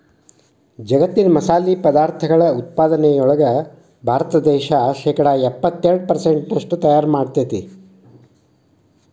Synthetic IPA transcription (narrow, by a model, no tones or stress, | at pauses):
d͡ʒɐɡɐt̪ːinɐmɐsaːliːpɐd̪aːɾt̪ʰɐɡɐɭɐut̪̚paːd̪ɐnɛjɔɭɐɡɐ | bʱaːɾɐt̪ɐd̪ɛːʃaʃɛːkɐɽɐɛpːɐt̪ːeɾɐɽ̚pɐɾseɳʈnɐʂʈut̪ɐjaːɾmaːɖt̪ɐt̪i